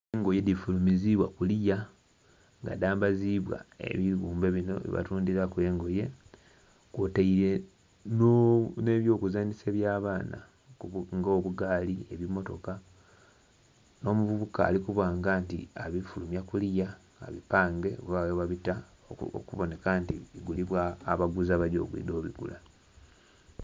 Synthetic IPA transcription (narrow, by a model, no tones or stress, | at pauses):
eŋɡojedifulumiziβwakulija | ŋɡa̰daːmbaziβwa̰e̞̰βiɣuːmbe̞βino̞̰βḭβa̰tuːndiɾakwe̞ːŋɡo̞je̞ | kwotaiɾe̞ | noneβjo̞ːkuzaːnise̞ːβjaːβaːna̰ | uŋɡoβuɡaːlie̞βimːo̞to̞ka | no̞ːmuvuβuka̰ːlikuβaːŋɡantḭaβifulumjakulja̰ː | βipaːŋɡe̞waweβaβita̰ | kuβo̞ne̞kantiβiɡuliβwaːβaɡuzaβaɟo̞̰ːɡwḭːdoːβḭɡṵla